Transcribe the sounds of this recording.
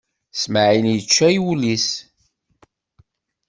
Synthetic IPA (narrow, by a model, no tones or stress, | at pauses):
smʕinjət͡ʃːæjwulis